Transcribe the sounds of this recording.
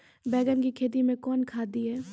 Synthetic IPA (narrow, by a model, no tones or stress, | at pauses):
bɛːɡənkikʰeːt̪̬imẽkɔːnkʰaːd̪iɦɛː